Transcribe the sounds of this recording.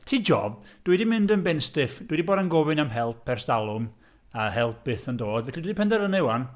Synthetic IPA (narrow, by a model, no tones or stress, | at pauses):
tʰiːd͡ʒɔ̰b̚d̥widimɪndənbɛnstɪfd̥uwidiboːdɾanɡɔvɨnamɦɛlˠpʰɛrsdalˠʊm | ahɛlˠp̚ʰɨθəndoːdvɛɬidwidipɛndɛɾənɛwan